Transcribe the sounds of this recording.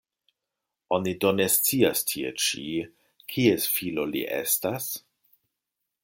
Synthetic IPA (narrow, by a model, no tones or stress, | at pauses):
onidonest͡siastʰiḛt͡ʃḭ | kʰiesfilo̞lḭʔḛstas